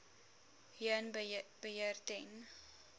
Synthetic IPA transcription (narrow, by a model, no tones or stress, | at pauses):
hiənb̥əɦiərtɛn